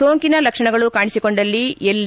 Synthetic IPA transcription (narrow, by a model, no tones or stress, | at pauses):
oːŋkinɐlɐkʂɐɳɐɡɐɭukaːɳisiko̞ɳɖɐlːielː